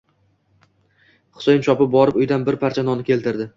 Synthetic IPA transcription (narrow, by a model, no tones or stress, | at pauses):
χʊ̥sejɪnt͡ʃʰɒpɪp̚bɒɾɪpʊjd̪anbɪɾpʰaɾt͡ʃʰanɒnɪkʲʰe̞lt̪ʰɪɾd̪ɪ